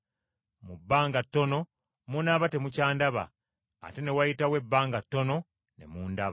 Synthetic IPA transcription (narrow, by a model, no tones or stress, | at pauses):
mubːaːŋɡatːo̞no̞ | munaβate̞mucaːndaβa̰ː | te̞ne̞wajitawe̞bːaːŋɡatːo̞no̞ | ne̞̰muːndaβa